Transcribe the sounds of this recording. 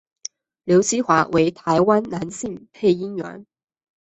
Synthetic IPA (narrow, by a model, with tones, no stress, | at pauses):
ljo˧˥ʊɕi˥xwa˧˥we˧˥ɪt̪ʰa˧˥ɪwa˥nna˧˥nɕi˥˧ŋpʰe˥˩ɪi˥nɥɛ̰˧˥n